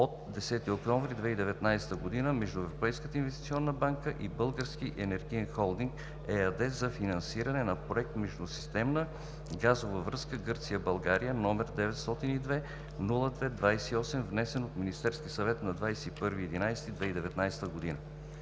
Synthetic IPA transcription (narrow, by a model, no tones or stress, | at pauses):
ot̪d̪ɛsɛt̪iokt̪ɔɱvɾid̪vɛid̪ɛvɛt̪najsɛ̥t̪əɡod̪inəmɛʒd̪ʊɛvɾopɛjskət̪əinvɛst̪i̥t̪iɔnːəbaŋkəʔibɤlˠɡəɾsk̟iʔɛnɛɾɡiɛnxɔlˠd̪iŋk | ɛɐd̪ɛszɐfinɐnsiɾɐnɛnɐpɾoɛk̚t̪mɛʒd̪usi̥st̪ɛmnə | ɡazovəvɾɤskəɡɤɾt̪sijəbɐlˠɡaɾijənɔmɛɾd̪ɛvɛt̪st̪ɔt̪inid̪vɛ | nulˠəd̪vɛd̪vajsɛiɔsɛmvnɛsɛnot̪minist̪ɛɾskʲisɐvɛt̪nɐd̪vajsɛipɤɾviɛd̪inajsɛt̪id̪vɛid̪ɛvɛt̪najsɛ̥t̪əɡod̪inə